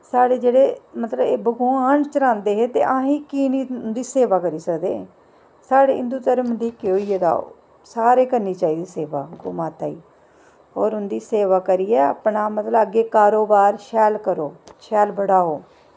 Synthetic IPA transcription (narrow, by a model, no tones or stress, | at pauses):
saːɽeːd͡ʒeːɽeːmət̪ləbeːbəɡuːaːnt͡ʃəɾãːnd̪eːɦeːt̪ḛːʔãːɦĩːkiːniːʊnd̪iːseːʋaːkəɾiːsəkd̪ḛː | saːɽeːɪnd̪uːt̪əɾəmd̪iːkːoːiːeːd̪a̰ː | saːɾeːkəɾniːt͡ʃaːiːd̪iːseːʋa̰ːɡo̰ːmaːt̪aːiː | ɔːɾʊnd̪iːseːʋaːkəɾiːɛːə̰pɳaːmət̪ləbəɡeːkaːɾoːbaːɾʃɛːlkəɾoːʃɛːlbəɽaːɦoː